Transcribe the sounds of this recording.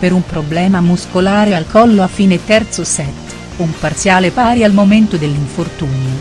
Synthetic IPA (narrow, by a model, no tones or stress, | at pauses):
peɾumpɾoblɛːmamuskolaːɾealkɔlːoafːiːnet̪ɛrt̪sosɛt̪ː | umpart̪sjaːlepaːɾjalmoment̪od̪elːiɱfort̪uːnjo